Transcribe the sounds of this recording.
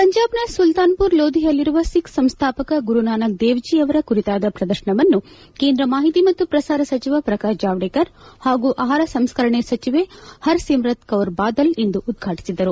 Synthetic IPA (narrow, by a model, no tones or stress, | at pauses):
pɐɲd͡ʒaːbnɐsult̪aːnpuɾloːd̪ijɐlːiɾuʋɐsiksɐmst̪ʰaːpɐkɐɡuɾunaːnɐk̚d̪eːʋd͡ʒiɐʋɐɾɐkuɾit̪aːd̪ɐpɾɐd̪ɐɾʃɐɳɐʋɐnːukeːnd̪ɾɐmaːɦit̪imɐt̪ːupɾɐsaːɾɐsɐt͡ʃiʋɐpɾɐkaːd͡ʒaːʋɽeːkɐɾhaːɡuʔaːɦaːɾɐsɐmskɐɾɐɳesɐt͡ʃiʋehɐɾsimɾɐt̪kɐʋɾbaːd̪ɐlend̪uʔːd̪ɡʱaːʈi̥sid̪ɐɾu